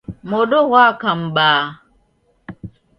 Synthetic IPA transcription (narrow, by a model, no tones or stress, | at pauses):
modoɣʷakam̩baː